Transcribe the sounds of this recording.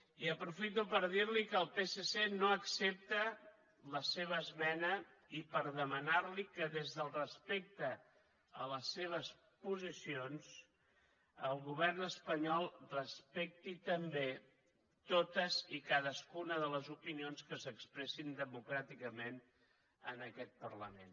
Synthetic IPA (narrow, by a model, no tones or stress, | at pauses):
iəpɾufit̪upəɾðiɾlikəːlˠpesesenoəksep̚t̪ə | ləseβ̞əːzmɛnə | ipəɾðəmənaɾlikəðezðəlˠrəspek̚t̪ə | ələsːeβ̞əs | puzisions | əlˠɣuβ̞ɛrnəspəɲɔlˠrəspɛk̚t̪it̪əmbe | t̪ot̪əzikaðəskunəðələzupinionskəsəkspɾɛsind̪əmukɾat̪ikəmen | ə̰nəkɛt̪̚pərləmḛn